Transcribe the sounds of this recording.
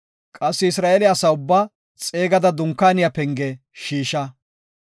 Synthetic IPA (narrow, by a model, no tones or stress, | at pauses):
kʼɐsːɪɪs̬ɾaːʔelɪɐsɐʊbːaː | t͡sʼeːɡɐd̪ɐd̪ʊŋkːaːnɪjɐpɛŋɡɛ | ʃiːʃɐ